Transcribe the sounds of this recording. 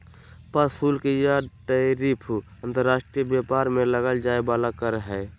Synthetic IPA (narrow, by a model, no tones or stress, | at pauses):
pasuːlkejaʈəɾipʰu | ə̃nt̪əɾːaːsʈɾiəbjepaːɾmeləɡəld͡ʒaːebaːlakəɾɦɛː